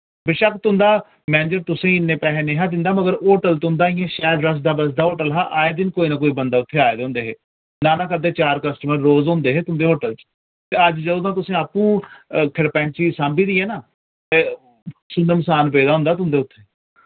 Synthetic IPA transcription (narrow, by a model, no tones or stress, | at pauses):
bɪʃəkt̪ʊ̃nd̪aː | mɛ̃ːnd͡ʒəɾt̪ʊsẽːɪnːẽːpɛːɦeːnẽːɦãːd̪ɪ̃nd̪aːməɡəɾoːʈəlt̪ʊnd̪aːɪjãːʃɛːlɾəs̬d̪aːbəs̬d̪aːoːʈəlɦaːʔaːeːd̪ɪnkoːiːnaːkoːiːbənd̪aːʊt̪ʰːeːaːed̪õːnd̪eːɦeː | naːnaːkəd̪eːt͡ʃaːɾkəsʈəməɾːoːzõːnd̪eːɦeːt̪ʊ̃ːnd̪eːɦoːʈəlt͡ʃ | t̪eːəd͡ʒd͡ʒəd̪ãːt̪ʊsẽːaːpũːkʰəɽpɛ̃ːɳt͡ʃiːsãːmbiːd̪iːɛːnaː | t̪e | sʊnəmsaːnpeːd̪aːɦʊ̃nd̪aːt̪̬ʊ̃nd̪eːʊt̪ʰːeː